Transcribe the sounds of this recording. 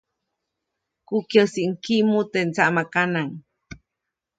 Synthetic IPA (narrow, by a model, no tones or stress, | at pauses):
kukjəsiʔŋkimut̪ent͡saʔmakanaŋ